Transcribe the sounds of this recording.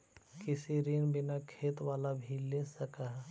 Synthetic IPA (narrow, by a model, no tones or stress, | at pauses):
kɪsiɾiːnbɪnakʰeːt̪waːlabʱilesɐkaː